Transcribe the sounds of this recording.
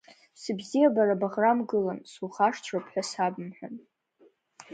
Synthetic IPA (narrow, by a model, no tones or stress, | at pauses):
sɨbzijabaɾabaʁramɡɨlansuχaʂtʷʰrapʰħʷᶣasabɨmħʷᶣa̰n